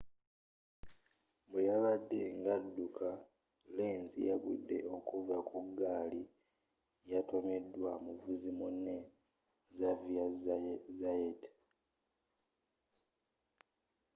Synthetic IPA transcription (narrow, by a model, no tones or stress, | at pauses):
bwejaβadːe̞ŋɡadːuka | leːnzḭjaβidːe̞o̞kuvakuɡːaːli | jato̞me̞dːwamuvuzimunːe | zaviazajet